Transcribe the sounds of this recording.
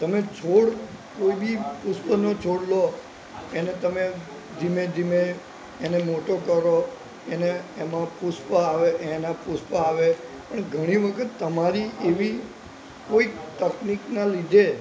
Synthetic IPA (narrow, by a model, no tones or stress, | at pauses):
t̪əmet͡ʃʰoɽkoibipuspənot͡ʃʰoɽlo | enet̪əme | d͡ʒimed͡ʒimeː | nemoʈokəɾo | eneːmãpuspəaʋeʔenapuspəaʋe | pəɳɡʱəɽ̃iʋəkʰət̪ːəmaɾiʔeʋi | koikt̪əkniknalid͡ʒ̪ʱe